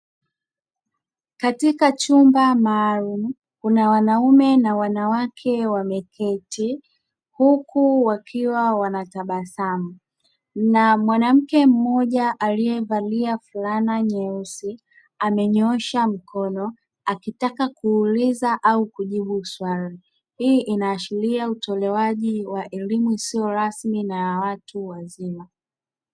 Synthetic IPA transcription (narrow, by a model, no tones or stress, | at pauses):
katikat͡ʃumbamaːlum̩ | kunawanaumɛnawanawakʰɛwamɛkʰɛti | hukuwakʰiwawanataɓasamu | namwanam̩kɛm̩mɔʄaʔalijɛvaliafulanaɲɛusi | amɛɲɔʃam̩kʰɔnɔ | akitakakuːlizaʔaukuʄiɓuswali | hiːʔinaːʃiliautʰɔlɛwaʄiwaʔɛlimuisiɔɾasminawatuwazima